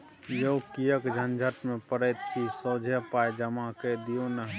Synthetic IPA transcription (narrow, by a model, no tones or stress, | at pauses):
joukijəkd͡ʒʱənd͡ʒʱət̪mẽpəɾət̪̚sʰisəːd͡ʒʱəpajd͡ʒəmaked̪ijonəɦ